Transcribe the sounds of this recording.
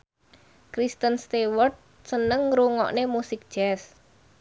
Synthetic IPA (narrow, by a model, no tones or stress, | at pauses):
kɾist̪ənst̪iwərt̪̚ | sənəŋɾuŋɔ̰ʔnemusɪk̚d̥ʒ̥ɛs